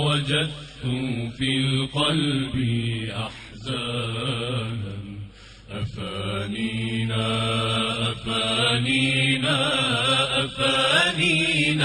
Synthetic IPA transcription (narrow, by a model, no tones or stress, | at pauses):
wad͡ʒad̪̚t̪ʊfilqɔlbiʔaħ | za | nan | ʔafanina | ʔafaːnina | ʔafanin